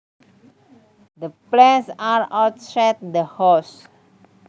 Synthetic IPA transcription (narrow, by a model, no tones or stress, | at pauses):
dəplɛ̃nsaɹɔsɛt̚dəhɔs